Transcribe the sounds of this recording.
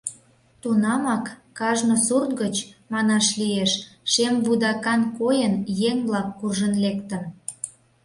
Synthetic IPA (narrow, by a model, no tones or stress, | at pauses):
t̪unɑmɑkː | ɑʒnosurt̪ɡət͡ɕmɑnɑʃlijeʃʃemβud̪ɑkɑnkojənjeŋblɑkːurʒənlekt̪ə̆n